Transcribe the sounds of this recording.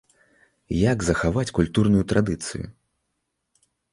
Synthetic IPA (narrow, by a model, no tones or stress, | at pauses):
jaɡzɐxavat͡sʲkulʲt̪urnujut̪ɾad̪ɨt̪sɨ̰jṵ